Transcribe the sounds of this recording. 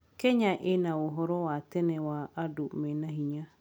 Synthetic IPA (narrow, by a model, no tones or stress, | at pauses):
kɛɲaʔenaoɦɔɾɔwatɛnɛwaːdomɛnaɦiɲa